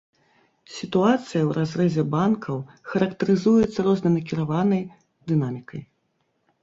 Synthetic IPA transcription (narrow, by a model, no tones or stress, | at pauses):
sʲit̪uat̪sɨjɐwɾʔazrɛzʲɛbankʰɐw | xɐɾɐkt̪ɐɾɨzujɛt̪sːɐɾɔznɐjnɐk̬ʲiɾavanɐj | d̪ɨnamʲikɐj